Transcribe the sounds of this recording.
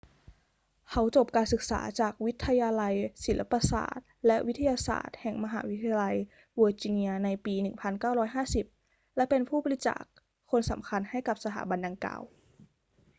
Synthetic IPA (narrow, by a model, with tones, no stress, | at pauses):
kʰa˨˦˥wt͡ɕo˨˩p̚kaː˧nsɯ˨˩k̚sa̰ː˩˦t͡ɕaː˨˩k̚wi˦˥t̪ʰːa˧jaː˧la˧jsi˨˩˦lʔa˧˥pa˧sa̰ː˨˩t̪̚lɛ˦˥ʔwi˦˥t̪ʰːa˧jaː˧sa̰ː˨˩t̪̚hɛ˨˩ŋma˧ɦa̰ː˩˦wi˦˥t̪ʰa˧ja˧la˧j | woː˧t͡ɕiː˧ni˧ɐna˧jpiː˧nɯ˨˩ŋpʰa˧nkaː˥˩wɾɔː˦˥jɦaː˥˩si˨˩p̚ | lɛ˦˥pe˧npʰuː˥˩ɔː˧li˦˥tt͡ɕa̰ː˨˩k̚ʰː | o˧nsa̰˩˦mkʰa˧nha˥˩jka˨˩p̚sa˧t̪ʰa̰ː˩˦ba˧nda˨˧ŋka̰ː˨˩w